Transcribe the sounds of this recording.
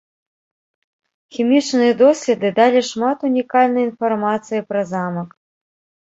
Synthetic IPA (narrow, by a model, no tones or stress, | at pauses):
xʲimʲit͡ʂnɨjɐd̪ɔsʲlʲɛd̪ɨd̪alʲiʂmat̪unʲikalʲnɐjinfarmat̪sɨjipɾɐzamɐk